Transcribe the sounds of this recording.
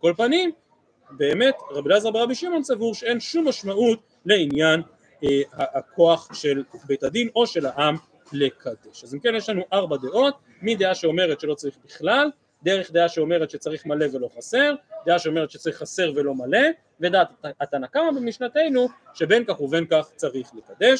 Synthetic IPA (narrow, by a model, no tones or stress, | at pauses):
ko̞lpanim | be̞ːme̞tʁabilazaʁbeʁabiʃimo̞nsavuʁʃee̞nʃumːaʃmaʔut | le̞injan | haːkʰo̞aχʃe̞lbejtad̪ino̞ʃe̞laʔam | le̞kʰad̪e̞ʃazimke̞njeʃlanuʔaʁbad̪e̞ʔo̞t̪̚ | mid̪e̞aʃe̞o̞me̞ʁetʃelo̞t͡saʁiχbiχlal | d̪e̞ʁeχd̪e̞aʃe̞o̞me̞ʁet̪ʃet͡saʁiχmale̞ve̞lo̞χase̞ʁd̪e̞aʃeo̞me̞ʁet̪ʃet͡saʁiχːase̞ʁve̞lo̞male̞ | ve̞d̪aːt̪at̪anakamabemiʃnate̞jnu | ʃe̞benkaχuve̞nkaχt͡saʁiχle̞kad̪e̞ʃ